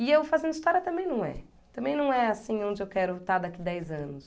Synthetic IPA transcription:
ɪewfazẽnd̪ʊist̪ɔɾjɐt̪ɐ̃mbẽj̃nɐ̃w̃ɛ̰ | t̪ɐ̃mbẽj̃nɐ̃w̃ɛasĩõnd͡ʒɪewkɛɾʊt̪aɾd̪akid̪ɛjzɐ̃nʊs

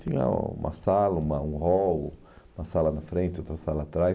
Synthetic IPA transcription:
t͡ʃ̪ĩɲɐ̰ṵ̃mɐ̰salɐũmɐũhɔwʊ | ũmɐsalɐnɐfɾẽnt̪ɪot̪ɾɐsalɐːt̪ɾaj

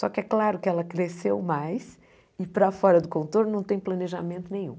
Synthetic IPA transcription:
sɔkɪɛklaɾʊkɪɛlɐkɾesewmajs | ɪpɾɐfɔɾɐd̪ʊkõnt̪oɾnnɐ̃w̃t̪ẽj̃plɐneʒamẽnt̪ʊnẽj̃ṵ̃

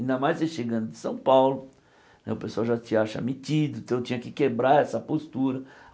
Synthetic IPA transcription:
ĩnd̪ɐmajzeʃeɡɐ̃nd̪ʊd̪ɪsɐ̃w̃pawlʊ | nɛ̰ʊpesuawʒat͡ʃɪaʃɐa̰mitid̪ʊ̃t̪ɐ̃w̃t͡ʃ̪ĩɲɐkɪkebɾaɾɛsɐpost̪uɾɐ

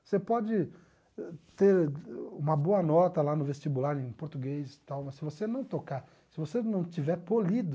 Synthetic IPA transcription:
sepɔd͡ʒɪ | t̪eɾṵ̃mɐboɐnɔt̪ɐlanʊvest͡ʃibulaɾẽj̃poɾt̪uɡejst̪awmɐssɪvosenɐ̃w̃t̪okaɾ | sɪvosenɐ̃w̃t͡ʃivɛɾpolid̪ʊ

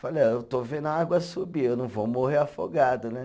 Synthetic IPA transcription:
faleewt̪ovẽd̪aɡwɐsubiewnɐ̃w̃vomoɦeɾafoɡad̪ɐnɛ

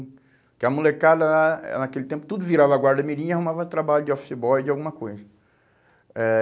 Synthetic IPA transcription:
kɪɐmulekad̪ɐlaɛ̰nakelɪt̪ẽpʊ̥t̪ud̪ʊviɾavɐaɡwaɾd̪ɐmiɾĩɲiahũmavɐ̃t̪ɾabaʎʊd͡ʒɪɔfsibɔjd͡ʒɪawɡũmɐkojzɐ | ɛ

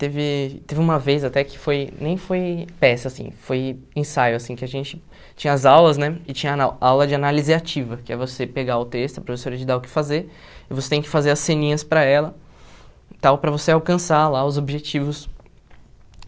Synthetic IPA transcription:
t̪evɪt̪evɪũmɐvejzat̪ɛkɪ̥fojnẽj̃fojpɛsɐasḭ̃foj | ẽsajʊasĩkɪaʒẽnt͡ʃɪ | t͡ʃĩɲɐazawlɐznɛɪt͡ʃĩɲɐnawawlɐd͡ʒɪanalizɪat͡ʃivɐkɪɛvosepeɡaʊt̪est̪ʊɐpɾofesoɾɐd͡ʒɪd̪aʊkɪ̥fazeɾ | ɪvoset̪ẽj̃kɪ̥fazeɾɐsẽnĩɲɐspɾɐɛlɐ | t̪awpɾɐvoseawkɐ̃salaʊzobʒet͡ʃivʊs

